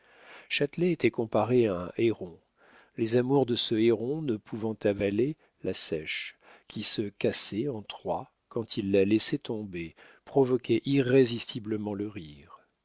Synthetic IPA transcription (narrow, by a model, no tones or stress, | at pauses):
ʃat̪lɛːt̪ɛkɔ̃paʁeaɛ̰̃ʔeʁɔ̃ | lezamuʁd̪əsəeʁɔ̃nəpʰuvɑ̃t̪avale | lasɛʃkʲʰisəkʲasɛɑ̃t̪χwa | kɑ̃t̪ʰilːalɛsɛt̪ɔ̃be | pχɔvɔkʲʰɛʔiʁːezist̪ibləmɑ̃ləʁiːʁ